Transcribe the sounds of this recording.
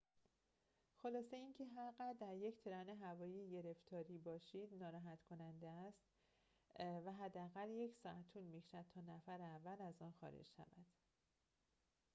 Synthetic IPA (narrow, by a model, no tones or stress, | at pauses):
xolɒːse̞iːncʰe̞ɦæɾɢæɾdd̪æɾjecʰt̪ʰeɾæneɦævɒːjieɟe̞ɾe̞ft̪ʰɒːɾiːbɒːʃiːd̪nɒːɾɒːɦæt̪ʰkʰo̞nænd̪eæst̪ | væɦæd̪ːææɣælje̞cʰsæt̪ʰuːnmiːcʰeʃæd̪̚t̪ʰɒːnæfæɾeævːælæzɒːnxɒ̰ːɾḛd͡ʒʃæ̰væd̪̥